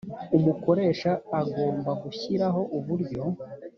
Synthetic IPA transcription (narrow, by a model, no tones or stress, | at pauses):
umuko̞ɾe̞ːʃaːɡo̞ːmbaɡuçiɾaɦo̞ʔuβuɾɟo̞